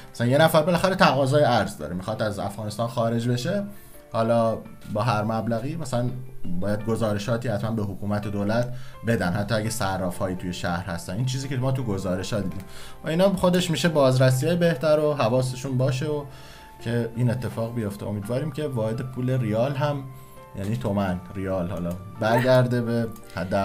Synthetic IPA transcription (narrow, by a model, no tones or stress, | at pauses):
mæsænje̞næfæɾbe̞læxæɾet̪ʰæɣɒːzɒːjeæɾzd̪ɒ̰ːɾemixɒːd̪æzæ̰fɣɒːnest̪ɒːnxɒːɾe̞d͡ʒbe̞ʃe̞ | hɒːlɒː | bɒːɦæɾmæblæɣiːmæsælænbɒːjæd̪̚ɡozɒːɾe̞ʃɒːt̪ʰiːhæt̪ʰmænbe̞ɦokʰuːmæt̪ʰed̪oːlæt̪be̞d̪ænhæt̪ːɒːæɟæsærːɒːfhɒːjiːt̪ʰujeʃæhɾhæst̪æniːnt͡ʃʰiːziːcemɒːt̪uɡo̞zɒːɾe̞ʃhɒːd̪iːd̪iːmvæiːnɒːxo̞d̪eʃmiːʃe̞bɒːzɾæs̬ijɒːjebe̞ht̪æɾoɦævɒːse̞ʃunbɒːʃeo | cʰe̞iːnet̪ʰːe̞fɒːɣbijo̞ft̪eomiːd̪vɒːɾiːmcʰe̞vɒːhe̞d̪e̞pʰuːle̞riɒːlɦæm | jæniːt̪ʰo̞mænrijɒːlhɒ̰ːlɒːbæɾɟæɾd̪e̞behæd̪ːæ